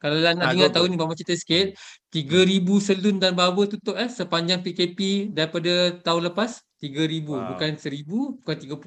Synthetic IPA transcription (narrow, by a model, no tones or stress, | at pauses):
kalalanaʔiŋat̪aunibaʔmat͡ʃit̪əsə̥kɪt̪̚t̪iɡəɾibusəlundanbawət̪ut̪ʊʔasəpaɲd͡ʒaŋpikepidaɾipadat̪aʊnləpast̪iɡəɾibubukansəɾibubukant̪iɡapu